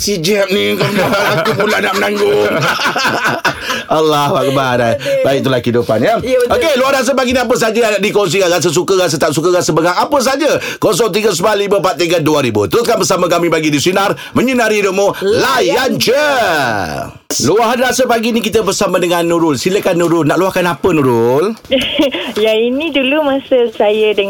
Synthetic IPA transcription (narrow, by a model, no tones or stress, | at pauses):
sid͡ʒɛp̚nikəaat̪upulanaʔmənãŋɡʊŋ | alːahbak̚badabaiʔ̚t̪ulahkhidupa̰njəokeluahdas̬əpaɡiniap̬əs̬ad͡ʒəjaaʔdikoŋs̬ikanɾas̬əs̬ukəɣas̬ət̪aʔsuk̬əɣasəbəɡaŋapəs̬ad͡ʒəkos̬ɔŋt̪̬iɡəs̬malːiməpat̪ːiŋɡanduaɾibut̪əɾʊskanbəsaməkamĩpaɡidisinar | məɲunaɾidoʔmolajant͡ʃə | luaɦnrasəpaɡinikit̪əbərsamadəŋanːuɾʊlsiləkanːuɾʊlnːaʔluahkanapənũɾʊl | jainĩdulumasəsajədə